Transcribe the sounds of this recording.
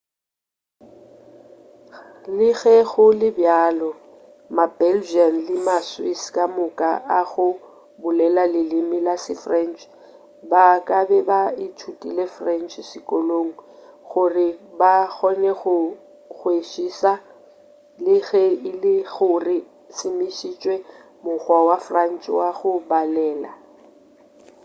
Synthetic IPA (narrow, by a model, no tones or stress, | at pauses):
lɪɣɛɣʊlɪbjaːlɔ | mabɛld͡ʒianlɪmaswiskʼamʊkʼaʔaɣʊ | bʊlɛlalɪlɪmɪlasɪfrɛnt͡ʃʰʼ | bakʼabɛbaɪtʰutʼilefrɛnt͡ʃʰsɪkʼɔloŋ̩ | ɣʊrɪbak͡xɔnɛɣʊ | ɣweʃiːsa | lɪɣɛɪlɪɣʊrɪ | sɪmiʃit͡ʃʼwɛ | mʊɣwawafran̩t͡ʃʰʼwaɣʊbalɛːla̰